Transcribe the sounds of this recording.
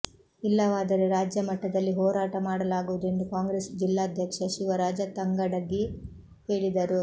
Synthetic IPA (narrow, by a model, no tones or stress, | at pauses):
ilːɐʋaːd̪ɐɾeɾaːd͡ʒjɐmɐʈːɐd̪ɐlːiɦɔːɾaːʈɐmaːɽɐlaːɡuʋud̪ue̞nd̪ukaːŋɡɾesd͡ʒilːaːd̪ʱjɐkʂɐʃiʋɐɾaːd͡ʒɐt̪ɐŋɡɐɽɐɡːi | he̞ːɭid̪ɐɾu